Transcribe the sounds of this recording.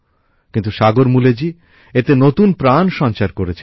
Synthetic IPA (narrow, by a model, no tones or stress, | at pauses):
kint̪uʃaɡoɾmuled͡ʑi | et̪enot̪unpɾanʃɔnt͡ɕaɾkoɾet͡ɕʰ